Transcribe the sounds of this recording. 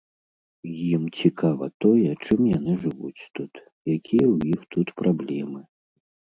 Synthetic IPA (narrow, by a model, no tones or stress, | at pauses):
jimt͡sʲikʰavɐ̰t̪ɔjɛt͡ʂɨmjan̪ɨʐɨvṵt͡sʲt̪ut̪ | jakʲʰijɐwjixt̪ut̪pɾʔablʲɛmɨ